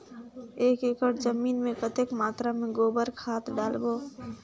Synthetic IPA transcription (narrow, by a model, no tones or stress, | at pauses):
eːkɪkəʈzəmiːnmẽkət̪ekmaːt̪ɾamẽɡoːbəɾkʰhaːt̪ɖaːlboː